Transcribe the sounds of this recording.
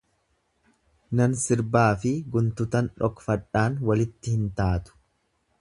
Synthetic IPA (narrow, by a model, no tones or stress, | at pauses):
nɐnsɪɾbaːfɪɡʊnt̪ʊt̪ɐnᶑɔkfɐᶑaːnwɐlɪt̪ːɪhɪnt̪aːt̪ʊ̥